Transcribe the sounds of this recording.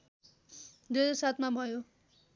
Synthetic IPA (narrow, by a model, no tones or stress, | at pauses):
d̪ed͡zʌsat̪ʰmabʱʌjo